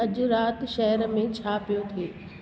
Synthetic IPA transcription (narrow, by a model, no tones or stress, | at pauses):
ɐd͡ʑʊɾaːt̪ʃɛɦəɾmẽt͡ɕʰaːpijot̪ʰeː